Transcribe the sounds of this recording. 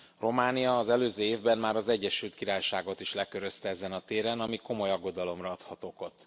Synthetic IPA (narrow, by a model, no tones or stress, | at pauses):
ro̞maːnijɒːzɛløːzøːeːvbɛmmaːɾɒzɛɟːɛʃylt̪kiɾaːjʃaːɡo̞t̪iʃlɛkøɾø̞st̪ɛɛzɛnɒt̪eːɾɛnɒmiko̞mo̞jɒɡːo̞d̪ɒlo̞mrɒɒt̪hɒt̪oːko̞t̪ː